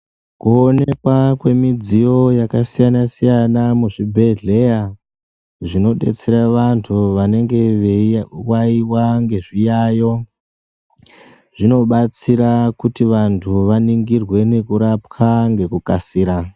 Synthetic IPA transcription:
kuonekwakwe̞mid͡zijo̞jakasijanasijanamuʐibʱe̞ɮe̞ja | ʐino̞ɗe̞̰t͡se̞ɾaʋantʰuʋane̞ŋɡe̞ | waiwaŋɡe̞ʐijajo̞ | ʐ̥ino̞ɓat͡siɾakutiʋantʰuʋaniŋɡirwe̞ne̞kuɾapkʰaŋɡe̞kukasiːɾa

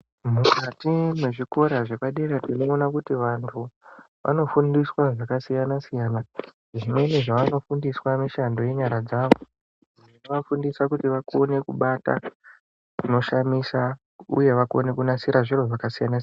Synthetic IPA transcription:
mukatimwe̞ʐiko̞ɾaʐe̞paɗeɾatino̞ːnakutiʋantʰu | ʋʔa̰no̞fundiswaʐakasijanasijana | ʐimwe̞ne̞ʐaʋano̞fundiswamiʃando̞je̞ɲaɾad͡zaːʋo | ʐino̞ʋafundisakutiʋako̞ne̞kuɓata̰ | kuno̞ʃamisa | ṵje̞ʋako̞̰ne̞kunasiɾʔaʐiroʐakasijanasia

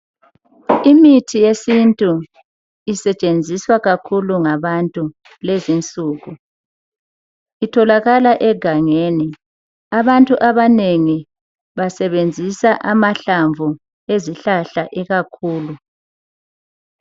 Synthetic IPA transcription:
imitʰijesintʼu | isɛt͡ʃʼend͡zʱiswaɣakʰuluŋaβantʼu | lezint͡sʼuːɣu | itʰɔlaɣalaʔɛɡ̥ʱaŋeːni | aβantʼuʔaβaneŋi | βasɛβend͡zʱisaʔamaɬaɱvʱu | eziɬaɬaʔɛɣakʰuːlu

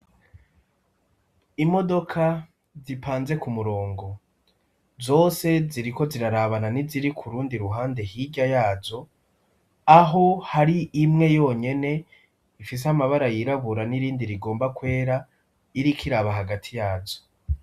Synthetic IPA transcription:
imo̞do̞kʰa | zipʰaːnze̞kumuɾo̞ːŋɡo̞ | zo̞ːse̞ziɾiko̞ziɾaɾaβananiziɾikʰuɾuːndiɾuɦaːnde̞hiɟajaːzo̞ | aɦo̞haɾiimŋe̞jo̞ːɲe̞ne̞ | ifis̬ehamaβaɾajiɾaβuɾaniɾiːndiɾiɡo̞ːmbakwe̞ːɾa | iɾikʰiɾaβaɦaɡatʰijaːzo̥

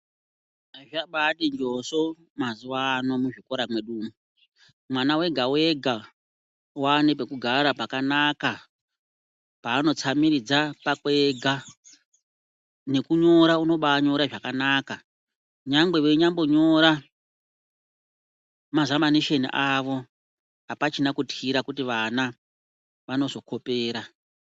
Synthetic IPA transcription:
ʐaɓaɗind͡ʒo̞so | mazuwaːno̞muʐiko̞ɾamwe̞ɗuːmu | mwanawe̞ɡʱawe̞ɡʱa | wanepekuɡʱaɾapakanaka | paːno̞t͡samiɾid͡zapakwe̞ɡʱa | ne̞kuɲo̞ɾauno̞ɓaɲo̞ɾaʐakanaːka | ɲaŋɡe̞weɲambo̞ɲo̞ɾa | mazamaniʃenḭʔaʋo̞ | apat͡ʃinakutiɾakutiʋana | ʋano̞zo̞kʰo̞pe̞ːɾa

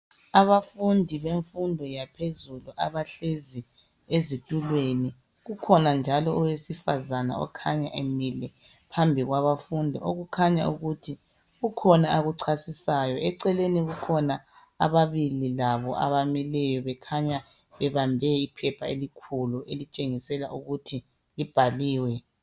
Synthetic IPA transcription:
aβafundʱiβeɱfundʱɔjapʰezuluʔaβaɬezi | ezitʼulweni | ɣukʰɔnand͡ʒʱalɔɔwesifazana̰ɔ̰kʰaɲa̰ʔemilɛ | pʰambʱiɣwaβafundʱiʔoɣukʰaɲa̰uɣutʰi | ɣukʰɔnaaɣuǀʰasisaːjɔɛǀɛleniɣukʰɔna | a̰βaβililaβɔ̰ʔa̰βamilɛjɔβɛkʰaɲa | βɛβambʱɛipʰɛpʰaelikʰuluʔelit͡ʃʼeŋisɛla̰ʔuɣutʰi | lib̥ʱaliːwɛ

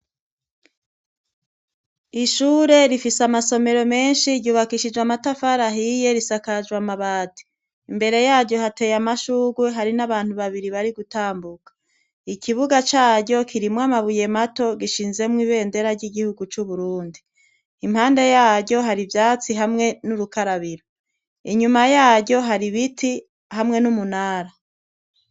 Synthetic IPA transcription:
iʃuːɾe̞ɾifisamaso̞me̞ɾo̞me̞ːnʃiɾɟuːβakiʃid͡ʒwamatafaɾaɦije̞ɾisakad͡ʒwamaβaːti̥ | imbe̞ɾe̞jaːɾɟo̞hate̞ːjamaʃuːɡweɦaɾinaβaːn̥huβaβiɾiβaɾiɡutaːmbukḁ | ikʰiβuɡat͡ʃaːɟo̞kʰiɾimwamaβuje̞mato̞ɡiʃiːnze̞mwiβe̞ːnde̞ɾaɾɟiɡihuɡut͡ʃuβuɾuːndi | imhaːnde̞jaːɟɟo̞ɦaɾivjaːt͡siɦamŋe̞nuɾukaɾaβiɾo | iɲumajaːɾɟo̞ɦaɾiβitʰi | hamŋe̞numunaːɾa

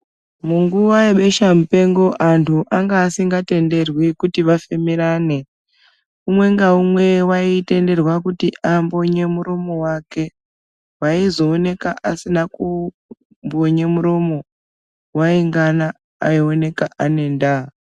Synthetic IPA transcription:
muŋɡuʋaeɓe̞ʃamupe̞ŋɡo̞ʔantʰuʔaŋɡaːsiŋɡate̞nde̞rwikutiʋafemiɾaːne̞ | umwe̞ŋɡaumwe̞waite̞nde̞rwakutiʔambo̞ɲe̞muɾomo̞wake̞ | waizo̞ːne̞kaʔasinaku | mbo̞ɲemuɾomo̞ | waiŋɡanaː | ione̞kaʔane̞ːnda

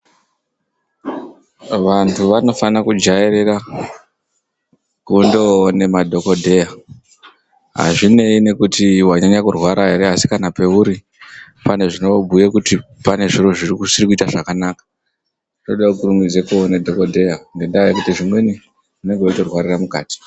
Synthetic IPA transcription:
ʋantʰuʋano̞fanakud͡ʒaeɾeɾa | kundoːne̞madʱo̞ko̞dʱe̞ja | ɦa̰ʐine̞ine̞kutiwaɲaɲakurwaɾaɦe̞ɾe̞asi̥kanape̞uɾi | pane̞ʐino̞bʱujekutipane̞ʐiro̞ʐirikusirikuitaʐakanaːkḁ | ino̞ɗaukurumid͡zekoonedʱo̞ko̞dʱe̞jaŋɡe̞ndaajekutiʐimwe̞ni | une̞ŋɡeuto̞rwaɾiramukaːti̥

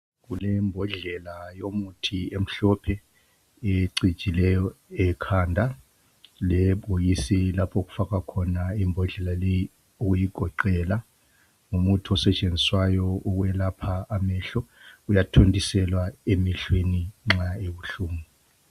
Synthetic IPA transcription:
ɣulɛmbʱɔɮɛlajomutʰiem̩ɬɔpʰɛ | eǀi̥t͡ʃʼilɛjɔɛkʰandʱa | lɛɓojisilapʰoɣu̥fakakʰɔnaimbʱɔɮɛlaleji | uɣujiɡ̥ʱɔǃɛla | ŋumutʰiɔsɛt͡ʃʼend͡zʱiswajɔɔɣwɛlapʰaːmɛɬɔujatʰontʼisɛlwaemiɬweniŋ͡ǁaeβuɬuːŋu

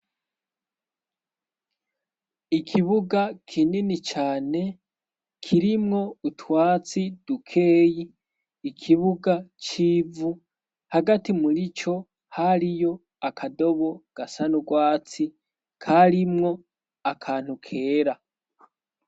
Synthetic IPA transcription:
ikʰiβuɡakʰininit͡ʃaːne̞ | kʰiɾimŋo̞utʰwaːt͡sid̥ukʰe̞ːjiː | kʰiβuɡat͡ʃiːvu | haɡatimuɾit͡ʃo̞ | haɾijo̞ | akʰado̞βo̞ɡ̥asanuɡwaːt͡si | kʰaɾimŋo̞ | akʰaːn̥hukʰe̞ːɾa

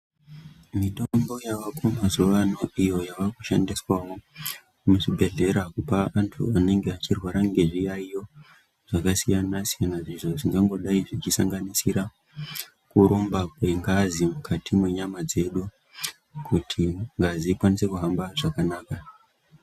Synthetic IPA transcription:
mitombo̞jaʋakomazuʋano̞ijo̞jaʋakuʃandiswawo̞ | muʐibʱe̞ɮe̞ɾakupaʔːntʰṵane̞ŋɡe̞at͡ʃirwaɾaŋɡe̞ʐijaijo̞ | ʐ̥akasijanasijanaʐiʐo̞ʐiŋɡaŋɡo̞ɗaiʐit͡ʃisaŋɡanisiɾa | kuɾo̞mbakwe̞ŋɡazimukʰatʰimwe̞ɲamad͡ze̞ɗu | kutʰiŋɡaziːkwanise̞kuɦambaʐakanaːka

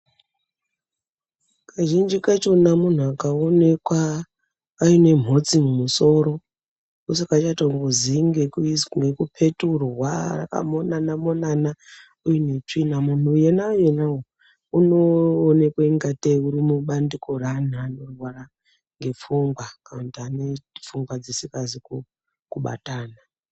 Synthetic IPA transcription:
kʰaʒind͡ʒikat͡ʃo̞namun̤uakaone̞kwa | aine̞m̤o̞t͡simumuso̞ɾo̞ | kusakat͡ʃatoŋɡoziŋɡekŋɡekupʰeturwara̰ka̰monanamo̞nana | ujinet͡ʂinamun̤uːjenaujenawo | unoːne̞kweiŋɡateuɾimuɓandiko̞ran̤aːnorwaɾa | ŋɡe̞fuŋɡwakanatianefuŋɡwad͡zisikaziku | kuɓa̰taːna

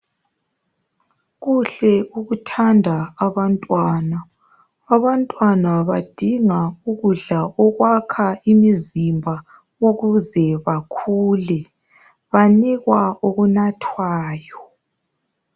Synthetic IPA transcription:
ɣuɬɛuɣutʰandʱaːβantʼwaːnaː | βantʼwanaβad̥ʱiŋauɣuɮaʔɔɣwakʰaimizimbʱa | uɣuzɛβakʰuːlɛ | βaniɣwaoɣunatʰwaːjɔ

